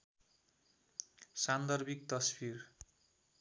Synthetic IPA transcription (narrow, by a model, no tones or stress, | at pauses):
sand̪ʌrbik̚t̪ʌsbir